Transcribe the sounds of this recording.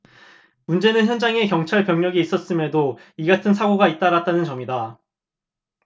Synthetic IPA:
mund͡ʑe̞nɯnçjʌnd͡ʑaŋe̞kjʌŋt͡ɕʰaɭpjʌŋɲʌɡiːs͈ʌs͈ɯmjedoiɡatʰɯnsʰaɡoɡait̚t͈aɾat̚t͈anɯnt͡ɕʌmida

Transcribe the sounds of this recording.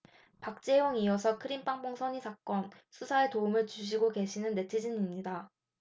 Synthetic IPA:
pak̚t͡ɕ͈e̞wʌŋijʌsʰʌkʰɯɾimp͈aŋpoŋsʰʌɲisʰak͈ʌnsʰusʰaetoumɯɭt͡ɕuɕ̬ʰiɡoke̞ɕʰinɯnːe̞tʰɯd͡ʑiɲimɲida

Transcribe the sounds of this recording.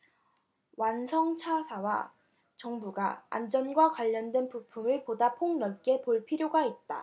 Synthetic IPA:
wansʰʌŋt͡ɕʰasʰawa̰ | t͡ɕʌŋbuɡaa̰nd͡ʑʌnɡwakwaʎːʌndwenpupʰumɯɭpodapʰoŋnʌɭk͈e̞poɭpʰiɾjoɡait̚t͈a

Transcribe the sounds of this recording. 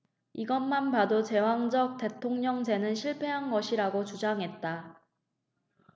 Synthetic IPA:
iɡʌnmanbadot͡ɕe̞waŋd͡ʑʌk̚t͈e̞tʰoŋɲʌŋd͡ʑe̞nɯnɕʰiɭpʰe̞ɦanɡʌɕʰiɾaɡot͡ɕud͡ʑaŋɦe̞t̚t͈a

